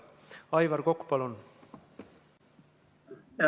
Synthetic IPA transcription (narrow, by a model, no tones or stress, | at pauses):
ɑjvɑɾko̞kːu̥pɑlun